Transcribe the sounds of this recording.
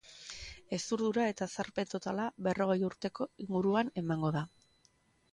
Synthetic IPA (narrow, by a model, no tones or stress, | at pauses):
e̞st̪uɾðuɾae̞t̪asaɾpe̞nt̪o̞t̪alaβe̞ro̞ɣ̞e̞juɾt̪e̞ko̞iŋɡuɾuane̞maŋɡo̞ða